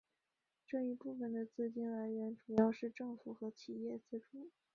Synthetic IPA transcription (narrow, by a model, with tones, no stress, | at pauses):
ʈ͡ʂɤ˥˧ŋi˧˥pu˥˩fə˩nd̪ə˩t͡sɹ̩˥˧t͡ɕi˥nla˧˥nɥɛ˧˥nʈ͡ʂu˨˩jɑ˥˧ʊʂɻ̩˥˧ʈ͡ʂɤ˥˩ŋfu˨˩xɤ˧˥t͡ɕʰi˨˩jɛ˥˧t͡sɹ̩˥˩ʈ͡ʂu˨˩˦